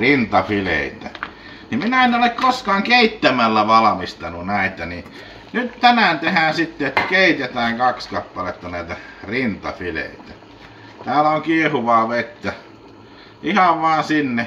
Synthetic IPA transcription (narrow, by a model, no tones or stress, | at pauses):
rint̪ɑfilḛˑit̪æ | nimminæenolekkoskɑːŋkeit̪ːæmælːæʋɑlɑmist̪ɑnunæˑit̪æni | nyt̪t̪ænænt̪ehæːnsit̪ːeet̪ːæ̥keit̪et̪æːŋkɑkskɑpːɑlet̪ːɑnæˑit̪ærint̪ɑ̰filḛˑit̪æ | t̪æːlæoŋkiehuʋɑːʋet̪ːæ | ʔihɑʋʋɑːnsinːe